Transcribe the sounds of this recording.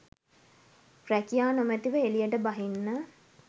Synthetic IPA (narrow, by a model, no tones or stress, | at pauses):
prækijaːnomɛt̪iʋəelijəʈəbaɦinːə